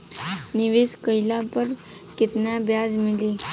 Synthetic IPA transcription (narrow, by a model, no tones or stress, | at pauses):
niʋeskəjlapəɾ | kit̪nabjad͡zmili